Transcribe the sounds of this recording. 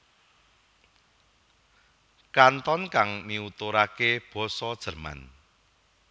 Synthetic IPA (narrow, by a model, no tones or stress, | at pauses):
kant̪ɔnkaŋmiut̪oɾakeb̥ɔ̤sɔd̥ʒ̥ə̤rma̰n